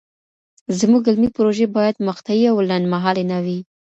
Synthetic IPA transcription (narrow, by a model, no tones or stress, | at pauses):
zmuɡɪlmipɾoʒebɑjad̪məxt̪ajiawlanmaɦɑlenawi